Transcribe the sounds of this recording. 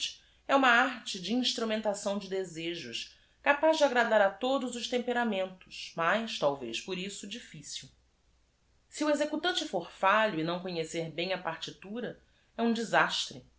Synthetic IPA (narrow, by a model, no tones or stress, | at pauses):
t͡ʃ | ɛũmɐaɾt͡ʃɪd͡ʒɪĩʃt̪ɾumẽnt̪asɐ̃w̃d͡ʒɪd̪ezeʒʊ̰ʃ | kapazd͡ʒɪaɡɾad̪aɾɐt̪od̪ʊzʊʃt̪ẽmpeɾamẽnt̪ʊ̥ʃmajʃt̪awvḛjʃpʊɾisʊd͡ʒifisiw | siuezekut̪ɐ̃nt͡ʃɪfoɾfaʎʊinɐ̃w̃koɲeseɾbẽj̃ɐpaɾt͡ʃit̪uɾɐ | ɛũd͡ʒizaʃt̪ɾɪ